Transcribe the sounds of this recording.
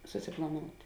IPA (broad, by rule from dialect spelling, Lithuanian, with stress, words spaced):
sʊˈsʲɪplˠɐˌnoːʊtʲ